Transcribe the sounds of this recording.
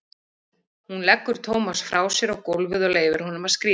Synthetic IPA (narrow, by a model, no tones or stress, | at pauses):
hunlɛkːʏɾ̥t̪ʰoːwmasfɾʔaːwsjɛɾɔɣkowlvʏðʏleːjvɪɾ̥hɔnʏmaðskɾiː